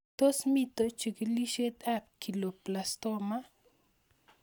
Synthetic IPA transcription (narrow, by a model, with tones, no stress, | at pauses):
t̪o˦smi˦t̪o˧t͡ʃu˨ki˧li˦ʃe˦t̪a˦p̚ki˨lo˨pla˨st̪o˦ma˦